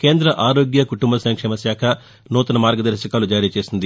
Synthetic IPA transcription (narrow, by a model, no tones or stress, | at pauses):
keːnd̪ɾɐʔaːɾoːɡjɐkuʈumbɐsɐŋkʂɛːmɐsjaːkʰɐ | nɔːt̪ɐnɐmaːɾɡɐd̪ɐɾʃɐkaːlud͡ʒaːɾiːt͡ʃe̞ːsind̪i